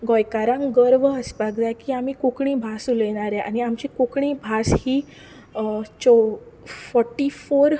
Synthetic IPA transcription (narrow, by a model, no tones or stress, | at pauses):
ɡɔjkaɾãŋɡəɾʋəəspaɡd̪akiamikukɳĩbʱasuleɽ̃aɾɛʔa̰niamt͡ɕikukɳĩbʱashiː | t͡ɕɔfɔɾʈːifoɾ